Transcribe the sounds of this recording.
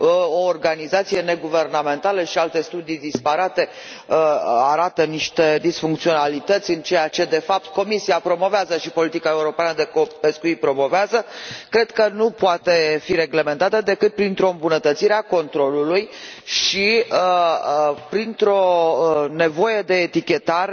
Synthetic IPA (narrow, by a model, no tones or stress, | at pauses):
oːrɡanizat̪sije̞ne̞ɡuve̞rname̞nt̪aləʃialt̪e̞st̪ud̪ijd̪ispaɾat̪e̞ | əaɾat̪əniʃt̪e̞d̪isfuŋkt̪sio̞nalit̪ət̪sʲɨnt͡ʃe̞jat͡ʃe̞d̪e̞fap̚t̪ko̞misiapɾo̞mo̞veazəʃipo̞lit̪ikae̞uɾo̞peanəd̪e̞kope̞skuit̪̚pɾo̞mo̞veazəkɾe̞d̪̥kənupoat̪e̞fiɾe̞ɡle̞me̞nt̪at̪əd̪e̞kɨt̪̚pɾint̪ɾo̞ɨmbunət̪ət̪siɾeako̞nt̪ɾo̞lulujʃiə | pɾint̪ɾo̞ne̞vo̞je̞d̪e̞ːt̪ikʲe̞t̪aɾ